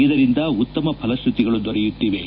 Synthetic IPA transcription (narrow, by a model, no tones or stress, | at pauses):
id̪ɐɾind̪ɐut̪ːɐmɐpʰɐlɐst̪ʰit̪iɡɐɭud̪ɔɾɛjut̪ːiʋe